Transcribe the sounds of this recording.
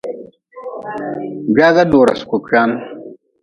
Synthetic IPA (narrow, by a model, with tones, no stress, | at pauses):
ɡaː˦ɡa˦doː˨ɾa̰˨skʷu˨ka˦n